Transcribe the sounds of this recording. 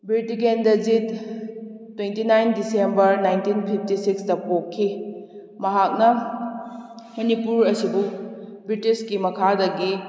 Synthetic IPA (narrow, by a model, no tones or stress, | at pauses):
bɾitiɡendɐd͡ʒitː | wentinajndisembɐɾnajntinpʰip̚ʰtisikstɐpokʰːi | mɐɦak̚nɐ | mɐnipuɾɐsibubɾitiskimɐkʰadɐɡi